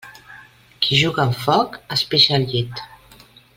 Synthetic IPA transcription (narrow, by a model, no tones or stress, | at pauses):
kʰiʒuɣaːmfɔkəspeʃalʎit̪